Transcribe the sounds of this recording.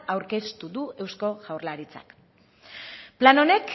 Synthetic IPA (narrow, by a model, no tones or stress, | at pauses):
awɾke̞st̪uðue̞wsko̞ʝawrlaɾit͡sa̰k | plano̞ne̞k